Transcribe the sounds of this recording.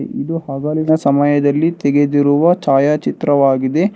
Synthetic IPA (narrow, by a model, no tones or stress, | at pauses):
ʔid̪uɦaːɡaːlinɐsɐmɐjɐd̪ɐlːit̪eɡe̞d̪iɾuʋɐt͡ʃaːjaːt͡ʃit̪ɾɐʋaːɡid̪e̞